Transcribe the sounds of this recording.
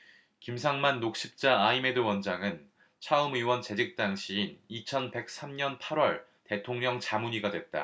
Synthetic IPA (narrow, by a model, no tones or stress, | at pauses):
kimsʰaŋmanːok̚ɕ͈ip̚t͡ɕ͈aːime̞dɯwʌnd͡ʑaŋɯn | t͡ɕʰaɯmiwʌnt͡ɕe̞d͡ʑik̚t͈aŋɕʰiːnit͡ɕʰʌnpe̞k̚s͈ʰamɲʌnpʰaɾwʌɭ | te̞tʰoŋɲʌŋt͡ɕamuɲiɡadwe̞t̚t͈a̰